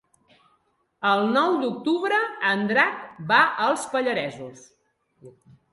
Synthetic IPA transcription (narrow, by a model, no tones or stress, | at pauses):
əlˠnɔwd̪uk̚t̪uβɾəənd̪ɾakbaʔəlˠspəʎəɾɛzus